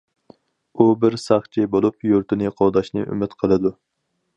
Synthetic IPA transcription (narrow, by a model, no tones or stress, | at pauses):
ubɪɾsɑχt͡ʃʰibolˠupjuɾt̪ʰɪnɨqʰowd̪ɑʃnɨ̰ʔy̰mɪt̪qʰəlˠɨd̪u